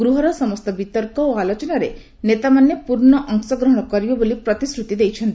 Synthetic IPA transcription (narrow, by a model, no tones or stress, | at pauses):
ɡɾuɦɔɾɔsɔmɔst̪ɔbit̪ɔɾkɔoalot͡ʃɔnaɾe | net̪amanːepuɾɳɔʔɔŋsɔɡɾɔɦɔɽ̃ɔkɔɾibɔbolipɾɔt̪isɾut̪id̪ejt͡ʃʰɔnt̪i